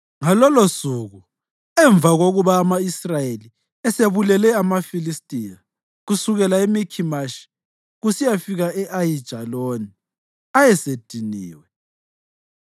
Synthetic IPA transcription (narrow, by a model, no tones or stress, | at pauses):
ŋalɔlosuɣu | ɛɱb̪vʱaɣoɣuβaːmaisrajeli | ɛseβulɛlɛamafilistʼija | ɣusuɣɛlaemikʰimaʃi̥ | ɣusijafiɣaʔɛʔajid̥ʒ̥ʱaloni | ajɛsed̥ʱiniːwɛ